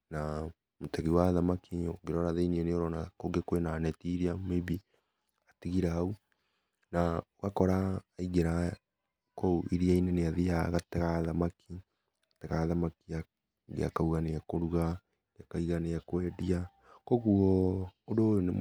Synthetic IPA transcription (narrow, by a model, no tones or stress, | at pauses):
na | motɛɣiwaðamakioɡeɾɔɾaðeiniɛneoɾɔnakoɡekwenaːnɛtiɾiameβi | atiɣiɾaau | naoɣakɔɾaːiɣeɾa | kɔuʔiɾiaineneaðijaɣatɛɣaðamakʰi | atɛɣaðamakia | ɡḛa̰kauɣaneakoɾuɣa | ɡeakaiɣaneakwɛdia | koɣuɔodojone